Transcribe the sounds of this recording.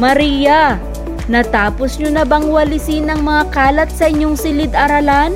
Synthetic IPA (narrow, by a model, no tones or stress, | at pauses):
mɐɾiːjɐ | nɐt̪aːposɲonɐbɐŋwɐlɪsinɐŋmɐŋakaːlɐt̪̚sɐʔɪɲːoŋsɪlɪd̪ʔɐɾɐlan